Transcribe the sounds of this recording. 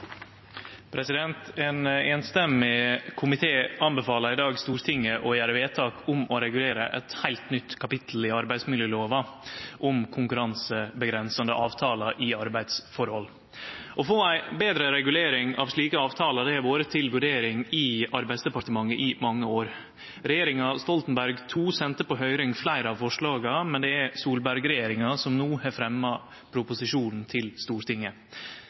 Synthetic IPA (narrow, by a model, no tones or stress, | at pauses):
pʰɾɛsɪd̪ɛnt̪eːneːnst̪ɛmːɪkʰʊmɪt̪ʰeːɑnbəfɑːləɾɪd̪ɑːɡst̪uːɾt̪ʰɪŋːəʔɔjæːɾəʋeːt̪ʰɑːkʰʊmɔɾɛɡʉleːɾəʔɛ̰t̪hæɪlt̪nʏt̪ːkʰɑpɪt̪ʰl̩ɪɑɾbæɪsmɪljøːloːʋɑʔʊmkʰʊŋkʉɾɑnsəbəɡɾɛnsɑnə̰ʔɑːʋt̪ʰɑːlɑʔɪɑɾbæɪd̪sfɔɾhɔlː | ʔɔfoːæɪbeːd̪ɾəɾɛɡʉleːɾɪŋɑ̰ːʋʂɭiːkəɑːʋt̪ʰɑːlɑd̪ɛæɾʋoːɾət̪ʰɪlʋʉɖeːɾɪŋɪɑɾbæɪd̪sd̪ɛpɑʈ̪əmɑŋːəʔɪmɑŋːəoːɾ | ɾɛjeːɾɪŋɑst̪ɔlt̪n̩bæɾɡt̪ʰuːsɛnt̪əpɔɦœʏɾʏŋflæɪɾəɑʋfɔʂɭɑːɡɑmɛnd̪ɛæɾsuːlbæɾɡɾɛjeːɾɪŋɑsɔmnuːhɑɾfɾɛmːɑ | pʰɾʊpʊsɪʂuːnn̩t̪ʰɪlst̪uːɾt̪ʰɪŋːə